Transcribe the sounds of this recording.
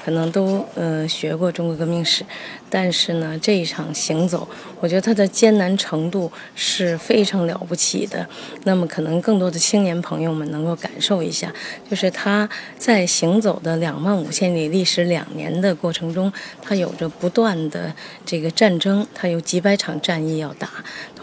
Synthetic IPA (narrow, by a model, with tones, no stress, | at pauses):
kʰɤ˨˩nɤ˧˥ŋt̪o˥ʊə˧ɕɥɛ˧˥kwɔ˥˧ʈ͡ʂʊ˥˩ŋkwɔ˧˥kɤ˧˥mi˥˧ŋʂɻ̩˨˩˦t̪a˥˧nʂɻ̩˥˩nə˩ʈ͡ʂɤ˥˧i˥˩ʈ͡ʂʰɑ˨˩ŋɕi˧˥ŋt͡so˨˩˦ʊ | wɔ˨˩t͡ɕɥɛ˧˥d̪ə˧t̪ʰa˥d̪ə˨t͡ɕjɛ˥nna˧˥nʈ͡ʂʰɤ˧˥ŋt̪u˥˩ | ʂɻ̩˥˩fe˥ɪʈ͡ʂʰɑ˧˥ŋljɑ̰˨˩ʊpu˥˩t͡ɕʰḭ˨˩d̪ə̰˦ | na˥˩mə˩kʰɤ˨˩nɤ˧˥ŋkɤ˥˩ŋt̪wɔ˥d̪ə˨t͡ɕʰi˥ŋnjɛ˧˥npʰɤ˧˥ŋjo˥˧ʊmə˨nɤ˧˥ŋko˥˩ʊka̰˨˩nʂo˥˩ʊḭ˧˥ɕja̰˥˩t͡ɕjo˥˧ʊʂɻ̩˥˩t̪ʰa˥t͡sa˥˩ɪɕi˧˥ŋt͡so˨˩ʊd̪ə˦ljɑ˨˩ŋwa˥˩nṵ˨˩ɕjɛ˥˩nli˨˩li˥˩ʂɻ̩˧˥ljɑ̰˨˩ŋnjɛ̰˧˥nd̪ə˧kwɔ˥˩ʈ͡ʂʰɤ˧˥ŋʈ͡ʂʊ˥ŋt̪ʰa˥jo˨˩ʊʈ͡ʂə˦pu˧˥t̪wa˥˩nd̪ə̰˩ʈ͡ʂɤ˥˩ɡə˩ʈ͡ʂa˥˩nʈ͡ʂɤ˥ŋt̪ʰa˥jo˧˥ʊt͡ɕi˧˥pa˥ɪʈ͡ʂʰɑ˨˩ŋʈ͡ʂa˥˧ni˥˧jɑ˥˩ʊt̪a˧˥